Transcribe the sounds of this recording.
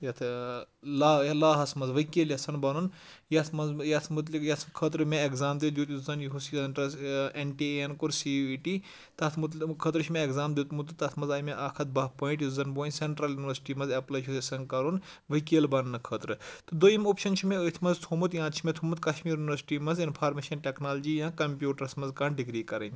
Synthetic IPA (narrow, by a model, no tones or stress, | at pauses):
jɐt̪ʰ | laːjɐlaːɦɐsmɐzʋɐkeːljɐsɐnbɐnun | jɐt̪ʰmɐzjɐt̪ʰmut̪̬likjɐt̪ʰkʰət̪ɾɨmʲẽekzaːmd̪id̪juːt̪juzɐnjuɦusisɐnʈɐsenʈienkuɾsiiʈiː | t̪ɐt̪ʰmut̪kʰəːt̪ɾɨt͡ʃʰimẽeɡzaːmd̪it̪mut̪ɨt̪ɐt̪ʰmɐnzaːjmẽʔaːkʰɐt̪̚baːpoːĩʈjuzɐnboːnʲseɳʈɾɐljunʋɐɾsʈiːmɐzɐplɐt͡ʃʰusesɐnkɐɾun | ʋɐkeːlbɐnːɨkʰəːt̪ɾɨt̪ɨd̪oimoːpʃɐnt͡ʃʰimẽət̪ʰʲmɐnzt̪ʰomut̪jãːt̪t͡ʃʰimẽt̪ʰomut̪kɐʃmiːɾjuniʋɐɾsi̥ʈiːmɐnzinpʰaːɾmeːʃɐnʈeknaːlɐd͡ʒiːjãːkɐmpʲjuːʈɐɾɐsmɐnzkaːɳɖiɡɾiːkɐɾɐnʲ